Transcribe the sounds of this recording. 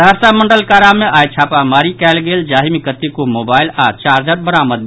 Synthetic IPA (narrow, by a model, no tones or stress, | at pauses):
əɾsaməɳɖəlkaɾameʔajt͡ʃʰapamaɾikɛlɡeld͡ʒaɦimikət̪ːikomobailat͡ʃaɾd͡ʒət̪̚bəɾaməd̪̚